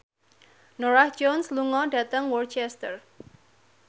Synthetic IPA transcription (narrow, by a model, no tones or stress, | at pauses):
noɾahd͡ʒɔnsluŋɔɖä̤t̪əŋwɔrt͡ʃɛst̪ər